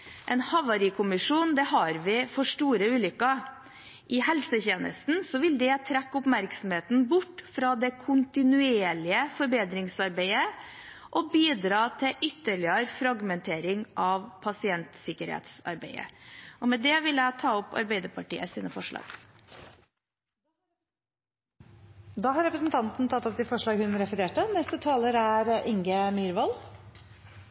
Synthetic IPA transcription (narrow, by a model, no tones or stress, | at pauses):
ʔɛnhɑʋɑɾikʰʊmɪʂuːnd̪ɛɦɑɾʋɪfɔʂʈuːɾəʉːlʏkːə | ʔɪhɛlsəçeːnʔə̰st̪n̩sɔʋɪld̪ɛt̪ʰɾækːʊpmæɾksɔmheːt̪n̩bʊʈːfɾɑd̪ɛkʰʊnt̪ɪnʉeːɭɪəfɔɾbeːd̪ɾɪŋsɑɾbeɪə | ʔɔbiːd̪ɾɑːt̪ʰɪlʔʏt̪ːəɭɪəɾfɾɑɡmɛnt̪ʰeːɾɪŋʔɑʋpʰɑsɪɛnt̪sɪkəɾhḛːt̪sɑ̰ɾbeɪə̰ɔmɛd̪ɛʋɪlːəæɪt̪ʰɑːɔpɑ̰ɾbeɪd̪əpʰɑʈḭːəsiːnəfɔʂɭɑ̰ːɡ̥ | d̪ɑːhɑɾɛpɾəsnt̪ʰɑnt̪n̩t̪ʰɑt̪ːɔp̚t̪ɪlfɔʂɭɑːɡhʉnɾɛfəɾeːʈənɛst̪ət̪ʰɑːləɾæɾɪŋɡəmyːɾʋɑl